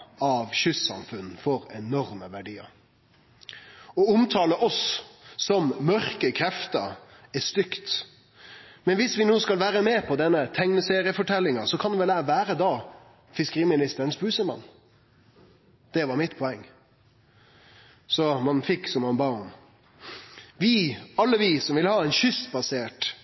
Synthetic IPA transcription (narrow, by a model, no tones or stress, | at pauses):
ɑʋçʏsɑ̰mfʉn̩fɔɾɛnɔɾməʋæɖiːə̰ɾ | ɔʊmt̪ʰɑːləʔɔsː | ɔmmœɾkəkʰɾɛft̪ə̰ɾ | ɛst̪ʏkt̪ | mɛnʋɪsʋɪnoːskɑlʋæːɾəmɛːpʰɔd̪ɛnːət̪ʰɛŋnəseːɾɪəfɔʈʰɛlːɪŋɑsɔkʰɑnd̪ɛʋɛlæʋæːɾəd̪ɑː | fɪskəʁiːmɪnɪst̪əɾənsbʉːsəmɑ̰nː | d̪̥ɛʋɑɾmɪt̪pʰɔɛŋː | sɔmɑnfɪkːsɔmɑnbɑːɔm | ʋiɑlːəʋisɔmʋɪlhɑːɛɪnʃʏst̪bɑseːʈ